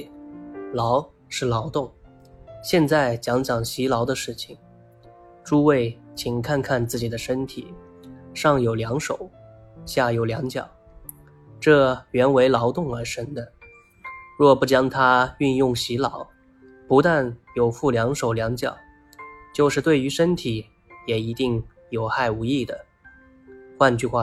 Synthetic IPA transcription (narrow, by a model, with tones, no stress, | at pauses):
lɑ˧˥ʊ | ʂɻ̩˥˩lɑ˧˥ʊt̪ʊ˥˩ŋ | ɕjɛ˥˧nt͡sa˥˩ɪt͡ɕjɑ˧˥ŋt͡ɕjɑ˨˩ŋɕi˧˥lɑ˧˥ʊd̪ə˧ʂɻ̩˥˩t͡ɕʰi˨˩ŋ | ʈ͡ʂu˥we˥˩ɪt͡ɕʰi˨˩ŋkʰa˥˧nkʰa˥˧nt͡sɹ̩˥˩t͡ɕi˨˩d̪ə˦ʂə˥nt̪ʰi˨˩ | ʂɑ˥˩ŋjo˨˩ʊljɑ˧˥ŋʂo˨˩˦ʊɕja˥˩jo˨˩ʊljɑ˧˥ŋt͡ɕjɑ̰˨˩˦ʊ | ʈ͡ʂɤ˥˩ɥɛ˧˥nwe˧˥ɪlɑ˧˥ʊt̪ʊ˥˩ŋə˞˧˥ʂə˥nd̪ə˨ | ɻwɔ˥˧˩pu˥˩t͡ɕjɑ˥ŋt̪ʰa˥y˥˧njʊ˥˩ŋɕi˧˥lɑ˨˩ʊ | pu˧˥t̪a˥˩njo˨˩ʊfu˥˩ljɑ˧˥ŋʂo˨˩ʊljɑ˧˥ŋt͡ɕjɑ̰˨˩˦ʊ | t͡ɕjo˥˧ʊʂɻ̩˥˧t̪we˥˩ɪy˧˥ʂə˥nt̪ʰi˨˩ | jɛ˨˩i˧˥t̪i˥˩ŋ | jo˨˩ʊxa˥˩ɪu˧˥i˥˩d̪ə˩ | xwa˥˧nt͡ɕy˥˧xwa˥˩